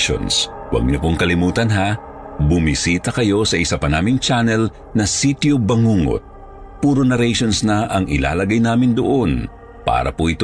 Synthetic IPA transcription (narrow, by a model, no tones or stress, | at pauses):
o̰nswɐ̰ɡ̚ɲopoŋkɐlɪmuːt̪ɐnɦa | bʊmisiːt̪ɐkɐjo̞sɐʔɪsapɐnaːmɪŋt͡ʃanɛl | nɐsit̪jobɐŋuːŋo̰t̪̚ | puːɾonɐɾɛjʃonsnɐʔɐŋʔɪ̰la̰ːlɐɡajnaːmɪnd̪oʔo̞n | pa̰ːɾɐ̰poʔɪt̪